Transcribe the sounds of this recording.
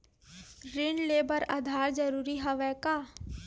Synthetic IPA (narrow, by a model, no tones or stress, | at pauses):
ɾɪnleːbəɾa̰d̪ʱaːɾd͡ʒəɾuːɾiɦɐʋɛːkaː